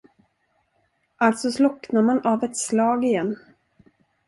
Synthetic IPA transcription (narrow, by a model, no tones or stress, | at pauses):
ʔalt̪sɔslɔknamanavɛt̪slɑːɡɪjɛnː